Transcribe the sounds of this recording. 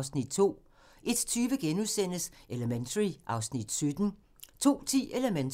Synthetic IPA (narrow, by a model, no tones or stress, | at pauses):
snid̥̚t͡sʰo̝̰ː | ʔe̝d̥t͡sʰyːʋəɡ̥enuðˠsen̰əseləment͡sʰɐʁiʔɑ̈ʊsnid̥sød̥n̩ | t͡sʰo̝̰ːt͡sʰḭːʔe̝ləmenʰ